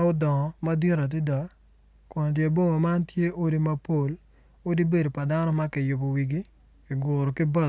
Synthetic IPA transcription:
ʊ˦dɔ˨ŋɔ˨ma˦di˦ɾa˨t̬i˦da˨ | kɔ˨n˨dje˨bo˦ma˨ma˦ntje˦ʔo˦di˦ma˦po˦˨l | o˦di˦be˦do˨pa˨da˦nɔ˦ma˦kɪ˨jʊ˨bo˨wi˨ɡi˦ | kɪ˨ɡʊ˨ɾɔ˨kɪ˦bɐ˦˨

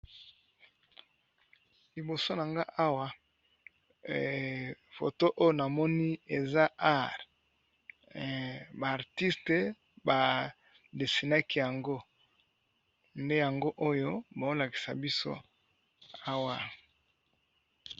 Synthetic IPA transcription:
li˨bo˨so˦na˨ŋɡa˦ʔa˦wa˦ | fo̰˨to˦ʔo˦jo˦na˨mɔ˦ni˦e˨za˦a˦ʁ | baː˨ʁti˦ste˨ | ba˨ | de˨si˨na˦ki˦ja˨ŋɡo˦ | nde˦ja˨ŋɡo˦ʔo˦jo˦ba˨o˦la˨ki̥˨sa̰˨bi˦so̰˦ | a˦wa˨

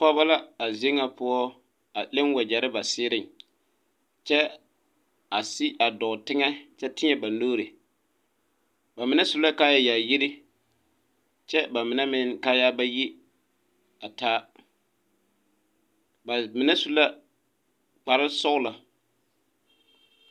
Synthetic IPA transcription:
pɔ˦ba˦la˦a˨ze˦ŋa˨pʊ˦ɔ˦ | a˨lɪ˦nwa˨d͡ʒɛ˨ɾɪ˦ba˨sɪː˦ɾɪ˨ŋ | t͡ʃɛ˦ | a˨sɪ˦ʔa˨dɔ˨tɪ˦ŋɛ˦t͡ʃɛ˦tɪ˦ɲɛ˦ba˨noː˦ɾe˨ | ba˨mɪ˨nɛ˦su˦la˦ka˦ja˨ja˨ji˦ɾɪ˦ | t͡ʃɛ˦ba˨mɪ˨nɛ˦mɪ˦ŋka˦ja˦ba˦ji˦ | a˨taː˦ | ba˨mɪ˨nɛ˦su˦la˦ | k͡pa˨ɾɪ˦sʊ˦la˨

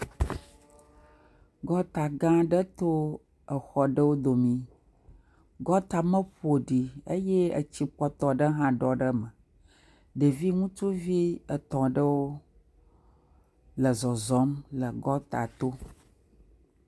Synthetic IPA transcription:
ɡɔ˦t̪a˨ɡã˦ɖə˦t̪o˦ | ə˨xɔ˦ɖə˦wo˦d̪o˨mĩ˦ | ɡɔ˦t̪a˨mə̃˦ɸo˨ɖi˨ə˦je˦ə̰˨t͡ɕi˨k͡pɔ˦t̪ɔ˨ɖə˦ɦã˦ɖɔ˨ɖə˦mə˨ | ɖə˨vi˦ŋũ˦t͡ʃu˦vi˦ə˨t̪ɔ̃˨ɖə˦wo˦ | lə˨zɔ˨zɔ˨˦mlə˨ɡɔ˦t̪a̰˨t̪o˦

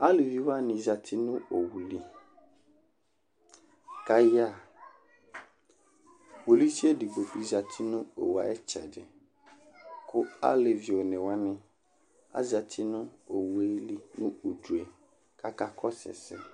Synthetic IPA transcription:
a˦lɪ˨vi˨wa˦nɪ̃˨za˨tʰɪ˦nʊ̃˦o˨wu˨li˦ | ka˦ja˦˨ | wo˨li˦si˦e˦dɪ˨bo˨i˨za˨tʰɪ˦nʊ̃˦o̰˨wa̰˨ɛ˦t͡ʃʰɛ̰˨d͡ʒɛ̰˨ | kʰʊ˦a̰˦lɪ˨vi˨o˨nɪ̃˨wa˦nɪ̃˦ | a̰˦za˨tʰɪ˦nʊ̃˦o˨we˦li˦nʊ̃˦u˨du˨e˨ | kʰa˦ka˨kʰɔ˦sɛ̰˨sɛ̰˦

